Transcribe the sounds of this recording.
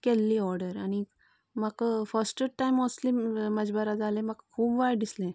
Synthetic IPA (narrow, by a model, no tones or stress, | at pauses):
kɛlːiːɔɾɖəɾaɽ̃i | makfəsʈəʈajmɔsliməd͡ʑbəɾad͡zalẽmakkʰuːbʋajɖislẽ